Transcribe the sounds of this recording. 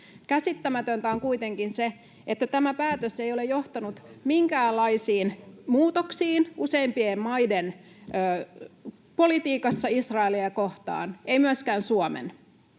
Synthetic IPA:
kæsit̪ːæmæt̪ønt̪æoŋkuit̪eŋkinse | ʔet̪ːæt̪æmæpæːt̪øsejolejoht̪ɑnut̪miŋkæːlːɑisiːnmuːt̪oksiːnuseimpiemmɑiden | øː | polit̪iːkɑsːɑisrɑeliækoht̪ɑ̰ːneimyæskæːnsuɑmḛn

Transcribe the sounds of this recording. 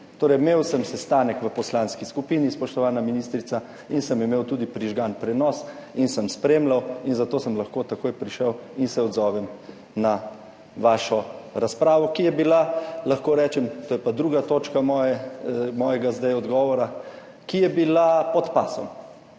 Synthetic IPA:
t̪oːɾɛjmeːwsəmsɛst̪aːnɛkʋəpɔslanskiskupiːnispɔʃt̪ɔʋaːnaminist̪ɾisa | insəmimeːwt̪uːd̪ipɾiʒɡanpɾɛnɔsinsəmspɾeːmlawinzat̪oːsəmlaxkot̪akoːjpɾiʃəwinsɛɔd̪zɔːʋɛm | na | ʋaʃɔɾaspɾaːʋɔkijɛbilalaxkoɾɛːt͡ʃɛmt̪oːjɛpad̪ɾuːɡat̪oːt͡ʃkamɔjɛmɔjɛɡazd̪ajɔd̪ɡɔːʋɔɾa | kijɛbilapɔt̪paːsɔm

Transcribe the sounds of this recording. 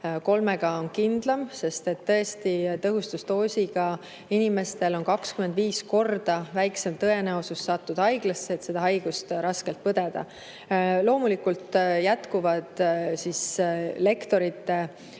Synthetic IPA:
ko̞lme̞ɡ̥ɑo̞nkind̪̥lɑmse̞st̪e̞t̪ːɤ̞e̞st̪it̪ɤɦust̪ust̪o̞ːsʲiɡ̥ɑ | inime̞st̪e̞lo̞nkɑkskymend̪viːsko̞rd̪̥ɑvæjkse̞mt̪ɤ̞e̞næususːɑt̪ːud̪̥ɑjɡ̥lɑsːeːt̪se̞d̪̥ɑɦɑjɡ̥ust̪ɾɑske̞lt̪̚pɤd̪e̞d̪̥ɑ̰ | lo̞ːmulikˑult̪jæt̪kuvɑd̪̥sisle̞kt̪o̞ɾit̪ːe

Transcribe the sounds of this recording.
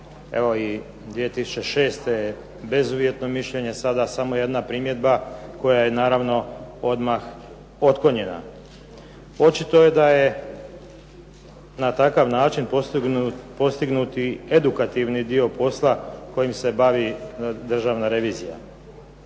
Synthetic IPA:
e̞̰ʋo̞i | d̪ʋije̞t̪isu̥t͡ʃe̞ʃe̞ːst̪ej | be̞zuʋje̞t̪no̞miʃʎe̞ɲe̞sad̪asamoje̞d̪napɾiːmje̞d̪bako̞jaje̞naːɾaʋno̞o̞d̪max | o̞t̪klo̞ɲe̞na̰ | o̞t͡ʃit̪o̞je̞d̪aje̞ | nat̪akaʋnaːt͡ʃinp | po̞st̪iɡnut̪ie̞d̪ukat̪iʋnid̪io̞pʰo̞slˠako̞jimse̞baʋid̪r̩ʒaːʋnaɾe̞ʋiːzija̰

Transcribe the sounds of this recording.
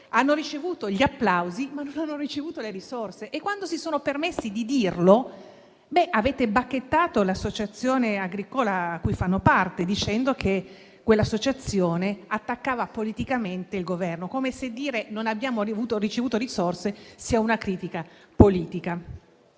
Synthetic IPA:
anːoɾit͡ʃevuːt̪oʎiapːlawzimanːonanːorit͡ʃevuːt̪oleɾisorseʔekːwand̪osisoːnopermesːid̪id̪irlo | bɛʔaveːt̪ebakːet̪ːaːt̪olasːot͡ʃat̪sːjoːneaɡɾikolaːkːujfanːopart̪ed̪it͡ʃɛnd̪okʰe | kwelːasːot͡ʃat̪sːjoːneat̪ːakːaːvapolit̪ikament̪eilɡovɛrnokomesed̪ːiːɾenonabːjaːmoivuːt̪orit͡ʃevuːt̪oɾisorsesiːaunakɾiːt̪ika | poliːt̪ika

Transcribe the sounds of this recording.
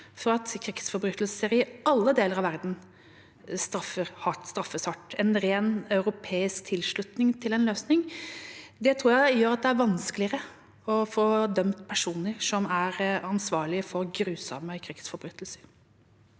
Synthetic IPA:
fɔɾɑt̪kʰɾɪɡsfɔɾbɾʉːt̪əlsəɾɪʔɑlːəd̪eːləɾɑʋæɾd̪n̩ | st̪ɾɑfəɾhɑʈst̪ɾɑfːəshɑʈːɛnɾeːnɑʉɾʊpʰeːɪsk̚t̪ʰɪlʂɭʉt̪nɪŋt̪ʰɪlɛnløːsnɪŋ | d̪ɛt̪ʰɾuːɾjæɪjøːɾɑt̪̚d̪ɛæɾʋɑnskəlɪəɾə | ɔfoːd̪œmt̪pʰæʂuːnəɾʂɔmæɾɑnsʋɑːɭɪəfɔɾɡɾʉːsɑ̰mːəkʰɾiːɡsfɔɾbɾʉːt̪ʰlsə̥ɾ

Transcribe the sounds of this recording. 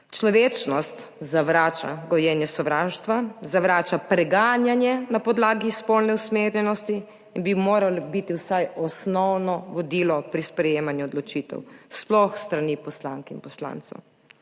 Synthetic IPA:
t͡ʃlɔʋeːt͡ʃnɔst̪zaʋɾaːt͡ʃa̰ɡɔjɛnjɛsɔʋɾaːʃt̪ʋazaʋɾaːt͡ʃapɾɛɡaːnjanjɛnapɔd̪laːɡispɔlnɛusmeːɾjɛnɔst̪iː | nbimoːɾalbit̪iwsajɔsnɔwnɔʋɔd̪iːlɔpɾispɾɛjeːmanjuɔd̪lɔt͡ʃiːt̪ɛ̰wsplɔxst̪ɾanipɔslaŋkḭnpɔsla̰ːnt̪sɔ̰w

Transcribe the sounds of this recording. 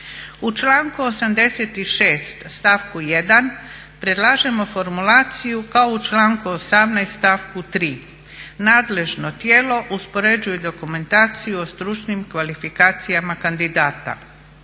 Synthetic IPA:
ut͡ʃlaːŋkuosamd̪e̞set̪iʃeːst̪st̪aːʋkujed̪an | pɾe̞d̪lˠaːʒemo̞fo̞ɾmulaːt̪sijukao̞ut͡ʃlaːŋkuosamnajst̪aːʋkut̪ɾiː | naːd̪le̞ʒno̞t̪jeːlo̞ʔuspo̞ɾe̞d͡ʑujed̪o̞kume̞nt̪aːt̪sijuost̪ɾut͡ʃnimkʋalifikaːt̪sijamakand̪id̪aːt̪a̰

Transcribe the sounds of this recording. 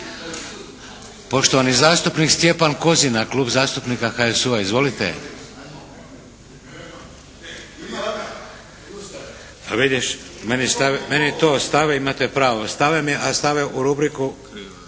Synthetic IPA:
po̞ʃt̪oʋanizaːst̪upnikst̪je̞panko̞zinakluːbzaːst̪upnikaxaesuaizʋo̞lit̪ḛ | aʋid̪jiʃme̞nist̪aʋeme̞nit̪oːst̪aʋeimat̪epɾaːʋost̪aʋemjeʔast̪aʋeʔuɾubɾiku

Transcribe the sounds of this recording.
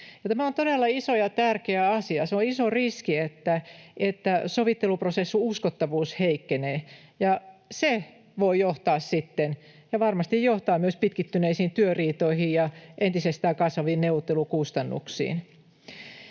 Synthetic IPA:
jɑt̪æmæont̪odelːɑisojɑt̪ærkeæɑsiɑseoisoriskiet̪ːæʔet̪ːæsoʋit̪ːeluprosesːuuskot̪ːɑʋuːsheikːeneːjɑse | ʋoijoht̪ɑːssit̪ːen | jɑʋɑrmɑst̪ijjoht̪ɑːmyøspit̪kit̪ːyneisiːnt̪yøriːt̪oihijjɑʔent̪isest̪æːkɑsʋɑʋiːnneuʋot̪ːelukust̪ɑnːṵksḭːn

